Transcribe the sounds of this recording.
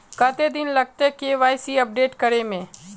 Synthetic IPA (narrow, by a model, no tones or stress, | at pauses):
kat̪ed̪ɪnlɐɡ̚t̪ekeʋaːjsiɐp̚ɖeːʈkəɾemẽː